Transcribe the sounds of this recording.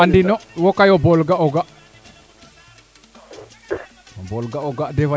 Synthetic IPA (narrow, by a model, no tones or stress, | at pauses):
andinɔwɔkajɔbɔlɡaɔɡaʔ | obɔlɡaɔɡaʔdɛfa